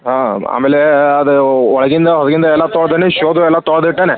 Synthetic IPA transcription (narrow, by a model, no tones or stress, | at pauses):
aːa̰ːmeːleɐðɯɔɭɐɣɪnd̪ɐɦɐðɐɣɪnd̪ɐɛlːaːt̪ɔɽɐd̪ɐneʃoːd̪uɛlːaːt̪ɔɽɐðɯʈːeːnɛ